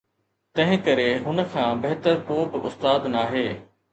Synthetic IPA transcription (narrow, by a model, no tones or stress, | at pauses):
t̪ɐ̃ɦɪ̃kɐɾeɦʊnə̆kʰãːbɐɦt̪əɾkoːbɪʔʊ̰st̪aːd̪naːɦeː